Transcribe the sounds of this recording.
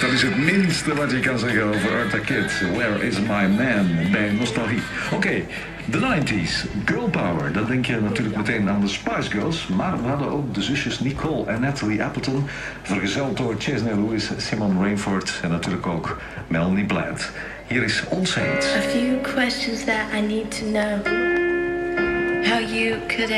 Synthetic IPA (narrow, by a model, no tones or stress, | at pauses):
d̥ɑtɪsətmɪnstəʋɑtjəkɑnzɛɣənoːvəɹɑɹtakɪtwɛlɪzmajmɛnbɛjnɔstalˠɣiokeː | dənajntisɡøːlˠpawə̰ɹdɑdɛŋkjənatyːɹləkməteːnaːndəspajsɡoːsmaːɹʋəɦɑdənowk̚dəzʏsjəsnikʰɔlˠɛnɛtəliʔɛpəlˠtən | v̥ərɣəzɛlˠt̚dʊɹt͡ʃɛzneluisːimɔnɹejnfɔɹtɛnːatyːɹləkoːk | mɛlˠniblɛ̰nt | hiːəɾɪsɔnsentəfjʉkʰw̥ɛst͡ʃə̃nzðəɾaɪniːd̚tʰənoʊ | haʊjəkʰɨɾ